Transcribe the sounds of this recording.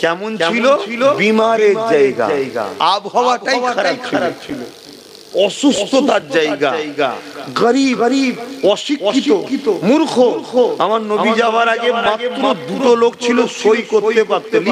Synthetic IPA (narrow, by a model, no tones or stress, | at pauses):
kɛmont͡ɕʰiloilobimaɾeɾd͡ʑajɡa̰ajɡa̰abɦɔwaʈajaaɾakʰaɾab̚t͡ɕʰilo | ɔʃust̪ʰot̪aɾd͡ʑajɡa̰jɡa̰ɡəɾiəɾibɔʃikɔokit̪omuɾkʰokʰoamaɾnoid͡ʑawaɾaɡemat̪ːɾod̪ut̪olokt͡ɕʰiloʃojkoɾepaɾt̪el